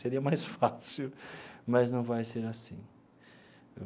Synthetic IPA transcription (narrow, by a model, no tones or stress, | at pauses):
seɾiɐmajsfasuwmɐznɐ̃w̃vajseɾasḭ̃